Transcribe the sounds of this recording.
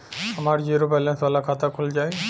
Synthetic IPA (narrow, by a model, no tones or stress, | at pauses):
amaɾd͡ʒiɾopalensɔlakʰat̪akʰuld͡ʒaj